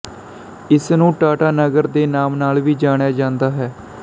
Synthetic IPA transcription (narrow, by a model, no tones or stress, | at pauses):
ɪsnũːʈaːʈaːnəɡəɾd̪eːnaːmnaːlʋiːd͡ʒaːɽ̃jaːd͡ʒãːnd̪aːɦɛː